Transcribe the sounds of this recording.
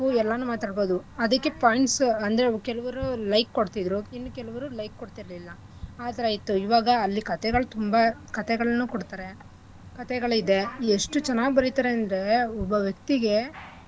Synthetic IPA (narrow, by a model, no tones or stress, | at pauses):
uɛlːɐnːuːmaːt̪aːɖbo̞ːd̪uɐd̪ɐkːe̞paːjiɳʈsɐnd̪ɐɾekɛlɐʋɐɾulɐjkːoɽt̪id̪ɾuinːukɛlɐʋɐɾulɐjkːoɽt̪iɾɐlilːɐ | aːt̪ɐɾɐjit̪ːuiʋaːɡɐːlːikɐt̪ɛɡɐɭt̪umbɐkɐt̪ɛɡɐɭɐnːuːkoɽt̪aːɾe̞ | kɐt̪ɛɡɐɭid̪e̞ːʂʈut͡ʃɛnaːɡ̚bɐɾit̪aːɾeɐnd̪ɾe̞ɔbɐʋjɐk̚t̪iɡe̞